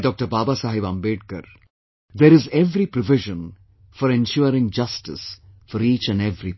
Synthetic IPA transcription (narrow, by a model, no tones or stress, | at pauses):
ɖɔːk̚ʈəɾbaːbasaːɦiʋãːmbeːʈ̚kə̰ɾ | d̪eɾɪzɛʋɾipɾɔʋɪʒə̃n | fɔɾẽnʃuəɾɪ̃ŋd͡ʒʌsʈɪsfɔɾiːt͡ʃæ̃nɖeʋɾi